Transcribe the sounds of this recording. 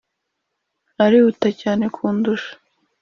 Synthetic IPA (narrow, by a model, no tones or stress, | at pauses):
aɾiutacaːne̞kʰuːnduʃḁ